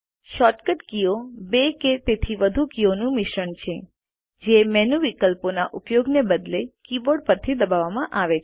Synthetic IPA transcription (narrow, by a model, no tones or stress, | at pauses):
ʃɔʈkəʈkijobeket̪et̪ʰiʋəd̪ʱukijonũmɪʃɾəɳt͡ʃʰe | d͡ʒemɛnuʋikəlponaʔupjoɡnebəd̪lekiboɖpəɾt̪ʰid̪əbaʋamãʔaʋet͡ʃʰ